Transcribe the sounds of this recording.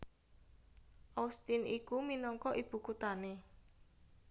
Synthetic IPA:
ʔast̪inʔikuminɔŋkɔʔib̥ṳkut̪ane

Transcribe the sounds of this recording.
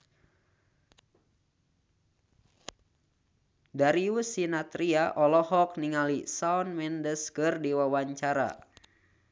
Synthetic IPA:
daɾiusinat̪ɾiaʔɔlɔhɔk̚niŋalisaɔnmɛndəskɨrdiwawaɲt͡ʃaɾa̰

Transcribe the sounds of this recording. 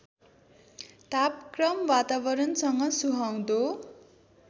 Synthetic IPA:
t̪apkrʌmwat̪abʌɾʌnsʌŋʌsuɦaw̃d̪o

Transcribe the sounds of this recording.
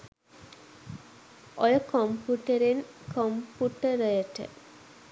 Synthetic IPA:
ʔojəkʰompuʈəɾen | kʰompuʈəɾəjəʈə̰

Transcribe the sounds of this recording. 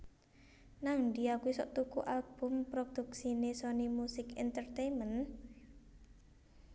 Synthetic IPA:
naŋɳɖiakuisɔ̰ʔt̪ukṵʔalb̥ʊ̤mpɾod̪̥ṳksinesonimusɪkɛ̰nt̪ərt̪ejmən

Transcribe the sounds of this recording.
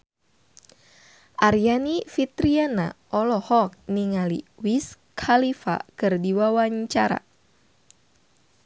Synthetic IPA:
ʔaɾjanifit̪ɾiana̰ʔɔlɔhɔk̚niŋalḭwiskʰalifa̰kɨrdiwawaɲt͡ʃaɾa̰

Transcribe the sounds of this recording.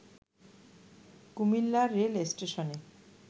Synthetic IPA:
kumilːaɾːelesʈeʃɔne

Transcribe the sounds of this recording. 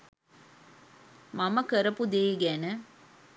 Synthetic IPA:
mamɐkəɾɐpud̪eːɡænə

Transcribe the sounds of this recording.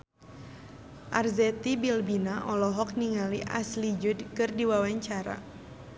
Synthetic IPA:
ʔarzɛt̪ibilbinaʔɔlɔɦɔk̚niŋaliʔa̰slid͡ʒudkɨrdiwawaɲt͡ʃaɾa̰

